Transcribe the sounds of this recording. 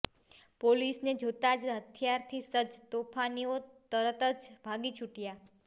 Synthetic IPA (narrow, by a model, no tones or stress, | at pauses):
polisned͡ʒʱot̪ad͡ʒɦət̪ʰjaɾt̪ʰisəd͡ʒt̪opʰaniot̪əɾət̪əd͡ʒbʱaɡit͡ʃʰuʈja